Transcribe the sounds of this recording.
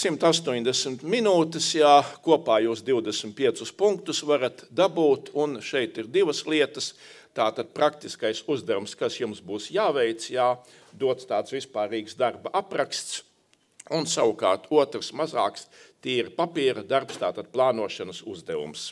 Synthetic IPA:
simt̪ast̪uɔɲd̪ɛsmt̪minuːt̪ɛsjaːkuɔpaːjuːsd̪iwd̪ɛsm̩ʲt̪̚pʲiɛt̪sʊspuŋkt̪usʋaɾat̪d̪abuːt̪unʃɛjt̪iɾd̪iʋəslˠiɛt̪əst̪aːt̪ad̪̥̚pɾakt̪iskajsuzd̪ɛʋumskasjumsbuːsjaːʋɛjt̪sjaː | d̪uɔt̪st̪aːt̪sʋispaːɾiːɡsd̪aɾbaʔapɾakst̪s | unsawuka̰ːɾt̪uɔt̪ɾsmaza̰ːkst̪iːɾpapiːɾɐd̪aɾpst̪aːt̪ad̪̚plˠɑːnuɔʃanəsuzd̪ɛʋṵms

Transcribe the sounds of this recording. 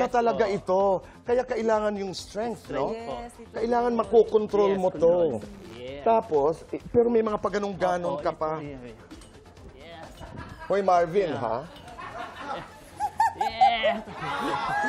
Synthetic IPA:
ɐt̪ɐlɐɡaʔɪt̪o̞ | kɐjakɐʔɪlaːŋɐnjʊŋst̪ɾɛŋk̚t̪no̞kɐʔɪlaːŋɐnmɐkokont̪ɾo̞lmot̪o | t̪aːpo̞spɛːɾomɐjmɐŋapɐɡɐnoŋɡaːno̞ŋkɐpa | hojmaɹvɪnɦa̰

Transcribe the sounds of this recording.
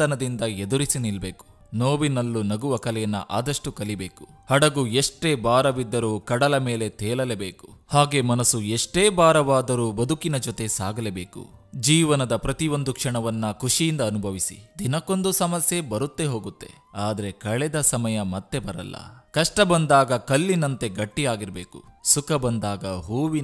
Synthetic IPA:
ɐnɐd̪ind̪ɐed̪uɾisinilbe̞ːku̥ | noːbinɐlːunɐɡuʋɐkɐlɛjɐnːṵʔa̰ːd̪ɐʂʈukɐlibe̞ːku̥hɐɽɐɡujeʂʈe̞ːbaːɾɐʋid̪ːɐɾuːkɐɽɐlɐme̞ːle̞t̪ɛːlɐlebe̞ːku̥haːɡe̞ːmɐnɐsueʂʈe̞ːbaːɾɐʋaːd̪ɐɾuːbɐd̪ʱukinɐd͡ʒot̪e̞sa̰ːɡɐlebe̞ːkṵd͡ʒiːʋɐnɐd̪ɐpɾɐt̪io̞nd̪ukʂɐɳɐʋɐnːɐkʰuʂijind̪ɐːnubʱɐʋisḭd̪inɐko̞nd̪usɐmɐsje̞bɐɾut̪ːe̞ɦo̞ːɡut̪ːe̞̰ | aːd̪ɐɾe̞kɐɭɛd̪ɐsɐmɐjɐmɐt̪ːe̞bɐɾɐ̰lːɐ̰kɐʂʈɐbɐnd̪aːɡɐkɐlːinɐnt̪eɡɐʈːijaːɡiɾbeːkṵsukʰɐbɐnd̪aːɡɐɦuːʋin

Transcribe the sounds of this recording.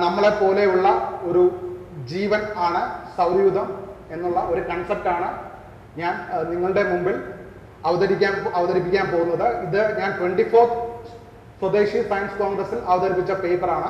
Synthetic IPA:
nɐmːɐɭepːo̞ːle̞uɭːɐo̞ɾud͡ʑiːʋɐnaːɳɨsɐwd̪jud̪ʱɐme̞nːuɭːɐʔo̞ɾukɐɳsep̚ʈaːɳɨ | ɲaːnniŋːɐɭuɽe̞mumbil | ɐʋɐðɐɾikʲːaːnɐʋɐðɐɾip̬ːikʲːaːnpo̞ːɣunːɐðɨiðɨɲaːnʈweɳɖifoːr | swɐd̪e̞ːɕisɐjɐnsko̞ːŋɡrɐsilɐʋɐðɐɾɐpːit͡ɕːɐpe̞ːpɐraːɳɨ

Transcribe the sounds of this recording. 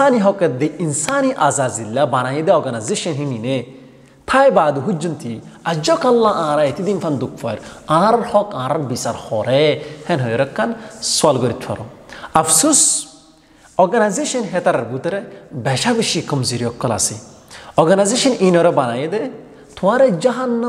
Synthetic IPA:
aːniɦɔkɐd̪iʔinsaːniʔazaːzilːabanajed̪ɛɔɾɡɐnazeʃɐnɦinine | t̪ʰaːjbaːd̪uɦud͡ʒːunt̪ʰiɐd͡ʒɔkɐlːãʔãːɾaet̪id̪imfʰɐnd̪ukʰfɐ̰ɾãːɾɐnhɔkãːɾɐnbisaɾhɔɾɛhɛnɦɔjɾɐkːanswalɡɔɾit̪ʰɐ̰ɾɔɐfsus | ɔɾɡɐnazeʃɐnɦɛt̪ɐɾɐɾbut̪ɐɾɛbɛʃabiʃikɐmziɾijɔkːɔla̰siɔɾɡɐnajzeʃɐninɔɾɛbɐnajed̪e | t̪ʰuaːɾed͡ʒɐɦɐnːɐ

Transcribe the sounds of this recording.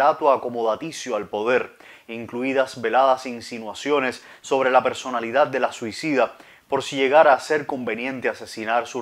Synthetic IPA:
at̪woako̞mo̞ðat̪isjoalpo̞ðe̞ɾ | iŋkluiðasbe̞laðaseinsinwasjo̞ne̞sːo̞β̞ɾe̞lape̞ɾso̞naliðad̪̚d̪e̞lasuisiða | po̞ɾsiʝe̞ɣaɾaːse̞ɾko̞mbe̞njẽ̞nt̪ease̞sinaɾsu

